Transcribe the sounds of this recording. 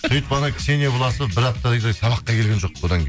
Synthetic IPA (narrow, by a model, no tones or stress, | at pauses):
ʊjt̪pɑnəkʲʰɪ̥ʃenebolˠɑsəbɪɾɑp̚t̪ːɑd̪ɑjd̪ɑjsɑβɑqːɑkʰʲelʲɡʲe̞nʒo̞q̚od̪ɑŋʲ